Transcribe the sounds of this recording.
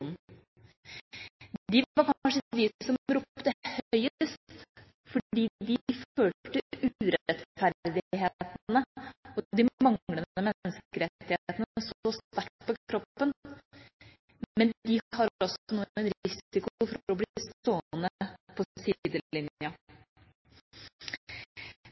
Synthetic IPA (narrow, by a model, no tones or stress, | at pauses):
uːnn̩ | d̪ɪɑɾkʰɑnʂəʋ̪iɪsɔmɾuːpt̪əhœʏəst̪t̪ | fɔiːd̪ɪføːʈəʔʉːɾɛɛt̪fæɾd̪ɪɦeːt̪nəɔd̪ɪmɑŋləd̪əmɛnːəskəɾɛt̪ːɪheːt̪ənəsɔst̪æɾʈpʰɔɾɔpːən | mɛnd̪ɪhɑɾɔsɔnuːæɪnɾɪsɪkʊfɔɾɾɔblɪst̪oːnəpʰɔsid̪əɪnjə